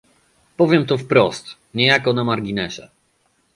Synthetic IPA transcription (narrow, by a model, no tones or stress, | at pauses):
pɔvʲjɛmt̪ɔfpɾɔst̪ | ɲɛjakɔnamaɾɡʲinɛɕɛ̰